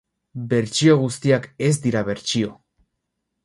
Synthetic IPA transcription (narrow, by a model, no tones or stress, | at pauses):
be̞ɾt͡ʃio̞ɣ̞ust̪iake̞zd̪iɾaβe̞ɾt͡ʃio̞